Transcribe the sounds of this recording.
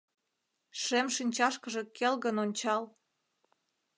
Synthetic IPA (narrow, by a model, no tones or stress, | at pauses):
ʃemʃinʲt͡ɕɑʃkəʒĕkʰelɣənonʲt͡ɕɑl